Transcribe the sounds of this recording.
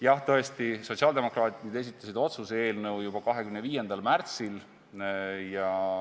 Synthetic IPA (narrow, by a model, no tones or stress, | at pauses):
jɑht̪ɤ̞est̪iso̞tʲsiɑld̪e̞mo̞krɑːt̪ʲˑinid̪e̞s̬it̪ˑːɑsid̪o̞t̪susee̞ːlnɤwjubɑkɑɦe̞kymnəviːje̞nd̪̥ɑlmært̪sil | jɑ